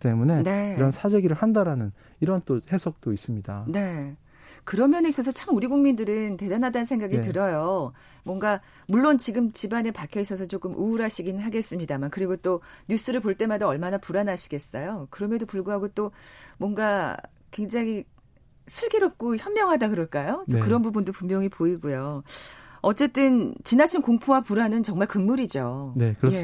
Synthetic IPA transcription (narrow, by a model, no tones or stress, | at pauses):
t͈e̞mune̞ne̞iɾʌnsʰad͡ʑeɡiɾɯɭhandaɾanɯn | iɾʌnt͈ohesʰʌk̚t͈ois͈ɯmɲidane̞ | kɯɾʌmjʌneis͈ʌs̬ʰʌt͡ɕʰamuɾiɡuŋmindɯɾɯnte̞danadanɯnsʰeŋɡaɡitɯɾʌjo | mwʌŋɡa | muɭːont͡ɕiɡɯmt͡ɕibanepakʰjʌis͈ʌs̬ʰʌt͡ɕ͈ok͈ɯmʔuːɾaɕʰiɡinɯɭɦaɡe̞s͈ɯmɲidamankɯɾiɡot͈oɲjus͈ɯɾɯɭpoɭt͈e̞madaʌɭmanapuɾanaɕʰi̥ɡe̞s͈ʌjokɯɾʌmjʌdopuɭɡuɦaɡot͈omwʌnɡa | kwe̞ŋd͡ʑaŋi | sʰɯɭɡeɾʌp̚k͈oçjʌmːjʌŋɦadakɯɾʌɭk͈ajot͈okɯɾʌnbubundopumjʌŋipoiɡujo | ʌt͡ɕ͈e̞t͈ɯnt͡ɕinat͡ɕʰinkoŋpʰowapuɾanɯnt͡ɕʌŋmaɭkɯŋmuɾid͡ʑonekɯje